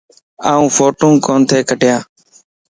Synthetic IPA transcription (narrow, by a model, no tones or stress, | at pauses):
aːũːfʰoːʈũːkoːnt̪ʰeːkəʈɪjãː